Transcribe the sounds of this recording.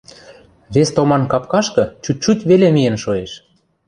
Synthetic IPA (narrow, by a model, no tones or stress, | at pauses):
βest̪omɑnkɑpkɑʃkɤ̆t͡ɕut̪̚ʲt͡ɕutʲβelemijenʃoeʃ